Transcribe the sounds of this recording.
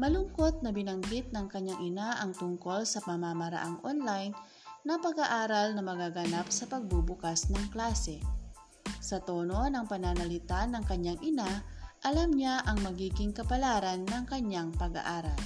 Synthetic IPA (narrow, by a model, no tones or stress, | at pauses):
mɐlʊŋko̞t̪̚nɐbɪnɐŋɡɪt̪̚nɐŋkɐɲːaŋʔɪnaʔɐŋt̪ʊŋko̞lsɐpɐmamɐɾɐ̰ʔaŋʔonlajnː | ɐpɐɡaʔaːɾalnɐmɐɡaɡɐnapsɐpɐɡ̚bubʊkasnɐŋklaːsɛ | sɐt̪oːno̞nɐŋpɐnanɐlɪt̪anːɐŋkɐɲːaŋʔɪnaʔɐlamɲaʔɐŋmɐɡiːɡɪŋkɐpɐlaːɾɐnːɐŋkɐɲaŋpɐɡa̰ʔaːɾɐl